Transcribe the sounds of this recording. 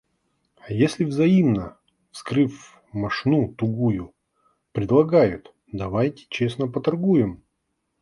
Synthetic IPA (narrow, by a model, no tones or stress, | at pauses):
jesʲlʲɪvzɐimnə | fskɾɨf | mɐʂnut̪ʊɡujʊ | pɾʲɪd̪lˠɐɡajʊt̪ | d̪ɐvajtʲɪ̥t͡ɕesnəpət̪ɐrɡujɪm